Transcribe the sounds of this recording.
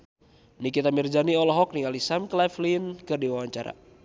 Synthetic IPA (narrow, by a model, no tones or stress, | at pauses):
nikit̪amird͡ʒaniɔlɔɦɔk̚niŋalisamklaflinkɨrdiwawaɲt͡ʃaɾa̰